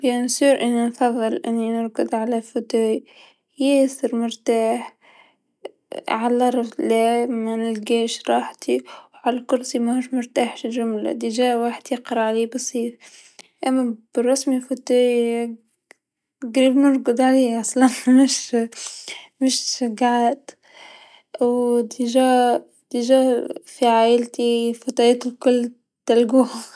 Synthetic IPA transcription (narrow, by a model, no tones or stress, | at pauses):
jansiːɾʔɪnːinfɑðˤːɨlʔɪnːinʊɾɡʊd̪ʕalæfʊt̪uj | jɪsɪɾmʊɾt̪aːħ | ʕalɑɾˤɑflamanɪlɡeːʃɾˤɑːħt̪iwʕalækʊɾsimæhuʃmʊɾt̪aːħʃɪlʒʊmla̰d̪iʒæːwaħɪd̪jɪqɾˤɑʕaliːbɑsˤiːf | ʔamːab̥ɪrˤːɑsmifut̪ | ɡɾiːlmʊɾɡʊd̪ʕaleːʔɑsˤlɑnmɪʃ | mɪʃʃaɡaʕaːt̪ | wd̪iʒa | d̪iʒafiʕaːʔɪlt̪ifɑt̪ˤɑjɑːt̪ɪlkʊlː | t̪alɡuh